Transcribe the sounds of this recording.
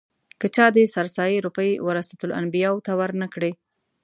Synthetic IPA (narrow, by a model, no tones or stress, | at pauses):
kət͡ʃɑd̪esaɾsɑjeɾupəjwəɾasat̪ʊla̰nbijɑwt̪awəɾnəkɽe